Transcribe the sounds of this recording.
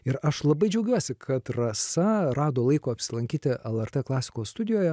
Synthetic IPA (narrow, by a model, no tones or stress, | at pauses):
ɪɾɐʃlˠɐbɐɪd͡ʒʲɛʊɡʲuɔsʲɪkʰɐt̪rɐsɐɾɑːd̪oːlˠɐɪkoːɐpʲsʲɪlˠɐŋʲkʲiːt̪ʲɪʔɛlˠɛrt̪ɛːklˠɑːsʲɪ̥koːsst̪ʊd̪ʲɪjoːjɛ